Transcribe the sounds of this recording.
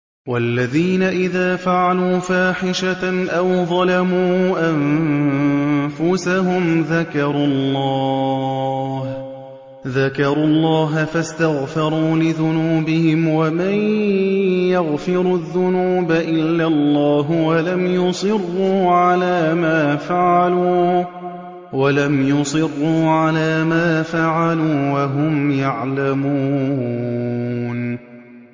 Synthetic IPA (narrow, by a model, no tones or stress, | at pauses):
walːaðiːnaʔɪðaːfaʕaluːfaːħɪʃaʔawðˤɑlamuːʔam | fʊsaɦʊmðakɑɾˤʊlːɑː | h | ðakɑɾˤuːlˤːɑːɦafast̪aɣfɑɾˤuːlɪðʊnuːbɪhɪmwaman | jaɣfɪɾuðːʊnuːbaʔɪlːalˤːaːɦʊwalamjʊsˤɨrːuːʕalaːmaːfaʕaluː | walamjʊsˤɨrːuːʕalaːmaːfaʕaluːwaɦʊmjaʕlamuː | n